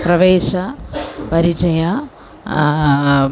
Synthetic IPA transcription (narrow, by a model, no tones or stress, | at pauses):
pɾɐʋeːʃɐpɐɾit͡ʃɐjɐ